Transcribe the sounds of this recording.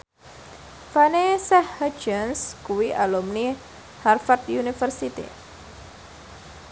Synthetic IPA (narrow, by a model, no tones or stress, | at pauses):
fanesɛhhə̥d͡ʒənskuwiʔalumni | harfart̪junifərsit̪ḭ